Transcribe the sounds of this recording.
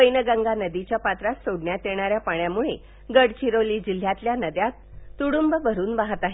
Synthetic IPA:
ʋəjnəɡə̃ŋɡanəd̪it͡ɕjapat̪ɾat̪soɽɳjat̪eɽ̃aɾjapaɳjamuɭe | ɡəɽt͡ɕiɾoliːd͡ʑil̤jat̪ljanəd̪jat̪ːuɽumbəbʱəɾuːnbaɦət̪aɦe

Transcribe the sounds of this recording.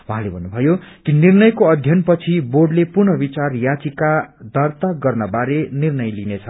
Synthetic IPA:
wuɦãlebʱʌnːubʱʌjokinirnʌjkoʌd̪ʱjʌnpʌt͡sʰiborɖlepurnʌbit͡sarjat͡sikad̪ʌrt̪aɡʌrnʌbaɾenirnʌjlinet͡sʰʌ

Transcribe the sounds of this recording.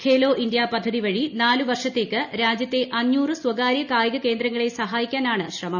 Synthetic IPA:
kʰeːlo̞ːʔind̪jaːpɐd̪ʱːɐðiʋɐɻinaːluʋɐrʂɐt̪ːe̞ːkːɨɾaːd͡ʑjɐt̪ːe̞ʔɐnːuːrɨswɐɡaːɾjɐkaːjɐɣɐke̞ːnd̪ɾɐŋːɐɭe̞sɐɦaːjikʲːaːnaːɳɨɕrɐmɐm

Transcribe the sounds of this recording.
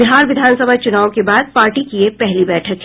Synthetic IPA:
bɪɦaːɾʋɪd̪ʱaːnsəbʱat͡ʃʊnaːʋõkebaːd̪̚paːɾʈikiepɛɦlibɛːʈʰək

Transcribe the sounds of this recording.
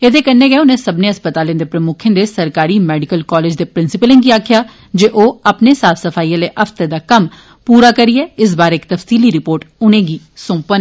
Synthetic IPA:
eːd̪eːkənːeːɡɛːʊnẽːsəbnẽːəspət̪aːlẽnd̪eːpɾəmʊkʰẽːd̪eːsəɾkaːɾiːmɛːɖɪkəlkɔːleːd͡ʒd̪eːpɾɪnsɪpəlẽŋɡiːaːkʰjaː | d͡ʒeːʔoːaːpneːsaːfʰsəpʰaːiːãːleːʔəfʰt̪ed̪aːkəm | puːɾaːkəɾiɛːɪs̬baːɾeɪkt̪əfsiːliːɾɪpoːɾʈʊnẽːɡiː | sʊ̃ːpən

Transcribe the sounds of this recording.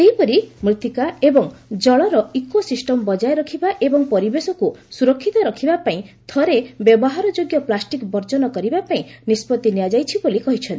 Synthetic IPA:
eɦipɔɾimɾit̪ʰikaebɔŋd͡ʒɔɭɔɾɔikosisʈɔmɔbɔd͡ʒaeɾɔkʰibaʔebɔŋpɔɾibesɔkusuɾɔkʰːit̪ɔɾɔkʰibapaĩt̪ʰɔɾebjɔbɔɦaɾɔd͡ʒoɡjɔplasʈikbɔɾd͡ʒɔnɔkɔɾibapaĩnispɔt̪ːinijad͡ʒajt͡ʃʰibolikɔɦit͡ʃʰɔnt̪i

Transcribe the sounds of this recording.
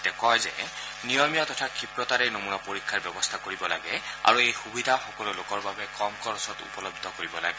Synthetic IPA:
tɛkɔjzɛ̰ | nijɔmijatɔtʰakʰipɹɔtaɹɛnomunapoɹikʰːaɹbɛbɔst̪ʰakoɹibɔla̰ɡɛa̰ɹuejxubidʱaxɔkɔlulokɔɹbabɛkɔmkɔɹɔsɔtṵpɔlɔbʱd̪ʱɔkoɹibɔla̰ɡɛ

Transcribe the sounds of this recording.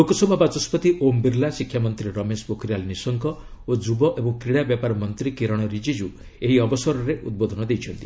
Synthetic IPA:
lokɔsɔbʱabat͡ʃɔspɔt̪iʔombiɾlasikʰːjamɔnt̪ɾiɾɔmespokʰɾialnisɔŋkɔod͡ʒubɔʔebɔŋkɾiɽabjapaɾɔmɔnt̪ɾikiɾɔɽ̃ɔɾid͡ʒid͡ʒu | eɦiɔbɔsɔɾɔɾeʔud̪̚bod̪ʱɔnɔd̪ejt͡ʃʰɔnt̪i

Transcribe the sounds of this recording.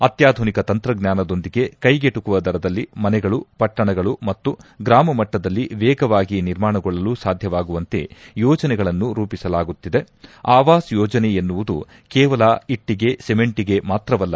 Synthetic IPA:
ɐt̪jaːd̪ʱunikɐt̪ɐnt̪ɾɐɡnjaːnɐd̪o̞nd̪iɡe̞kɐjɡeʈukuʋɐd̪ɐɾɐd̪ɐlːimɐnɛɡɐɭupɐʈːɐɳɐɡɐɭumɐt̪ːuɡɾaːmɐmɐʈːɐd̪ɐlːiʋɛːɡɐʋaːɡiniɾmaːɳɐɡɔɭːɐluːsaːd̪ʱjɐʋaːɡuʋɐnt̪e̞̰jɔːd͡ʒɐnɛɡɐɭɐnːuɾuːpisɐlaːɡut̪ːid̪e̞ | aːʋaːsjɔːd͡ʒɐneenːuʋud̪u | kɛːʋɐlɐiʈːiɡe̞seme̞ɳʈiɡe̞maːt̪ɾɐʋɐlːɐ

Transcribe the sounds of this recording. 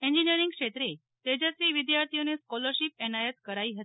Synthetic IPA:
eɲd͡ʑinijəɾiŋɡkʂet̪ɾe | t̪ed͡ʑasɾiːʋid̪jaɾt̪ʰijoneskɔləɾɕip̚ɛnajət̪kəɾaiɦət̪i̥

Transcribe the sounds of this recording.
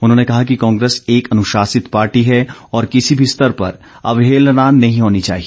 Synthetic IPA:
ʊnɦõːnekɐɦakikɔ̃ːŋɡɾeːseːkɐnʊʃaːsɪt̪paːɾʈiɦɛɔːɾkɪsibʱist̪əɾpɐ̰ɾ | ɐ̰ʋɦeːlnaːnːɐɦĩɦoːnit͡ʃa̰ːɦieː

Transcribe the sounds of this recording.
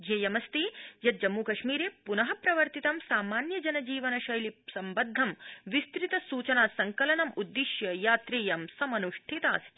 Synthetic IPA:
d͡ʒeːjɐmɐst̪ijɐt̪̚d͡ʒɐmːuːkɐʂmiːɾeːpunɐɦɐpɾɐʋɐɾt̪it̪ɐmsaːmaːnjɐd͡ʒɐnɐd͡ʒiːʋɐnɐʃɐjlisɐmbɐd̪ʱːɐmʋist̪ɾit̪ɐsuːt͡ʃɐnaːsɐŋkɐlɐnɐmud̪ːiʃjɐjaːt̪ɾeːjɐmsɐmɐnuʂʈʰit̪a̰ːst̪i

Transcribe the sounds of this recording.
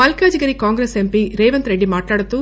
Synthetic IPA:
ɐlkaːd͡ʒiɡɐɾikaːŋɡɾeːsempiːɾeːʋɐnt̪ɾe̞ɖːimaːʈlaːɽut̪uː

